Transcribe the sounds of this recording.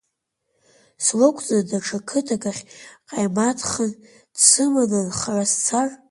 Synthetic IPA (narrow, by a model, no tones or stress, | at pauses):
slokʷʰʼt͡sʼadaʈ͡ʂʰakʰɨtʰaɡaχʲqʼajmatʰχan | dsɨmanɨnχarast͡sʰar